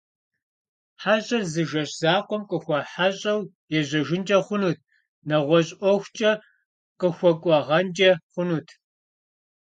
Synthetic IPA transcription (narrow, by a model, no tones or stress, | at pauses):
ħaɕʼɐrzɨʒɐɕz̥aːqʷɔmqʼəxʷɐħaɕʼɐw | jɛʑɐʒɪnd͡ʒʼɐχʷʊnuːt̚ʰ | nɐʁʷɔɕʼʷɔxʷt͡ʃʼɐ | qəxʷɔkʷʼɔʁɐnd͡ʒʼɐχʷʊnuːtʰ